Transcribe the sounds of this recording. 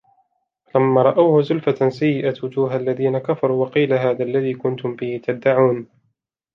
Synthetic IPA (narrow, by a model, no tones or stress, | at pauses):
falamːaːɾˤɑʔawhʊzʊlfasajːɪʔawʊd͡ʒuːɦalːaðiːnakafɑɾˤuːwɑqiːlaɦaːðaːlːaðiːkʊnt̪ʊmbɪhɪt̪ad̪ːaʕuːn